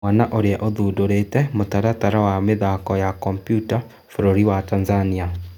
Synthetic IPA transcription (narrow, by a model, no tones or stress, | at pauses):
anaʔoɾeaʔoðudoɾetɛmotaɾataɾawameðakɔjakɔmpjuta | foɾoɾiwatanzania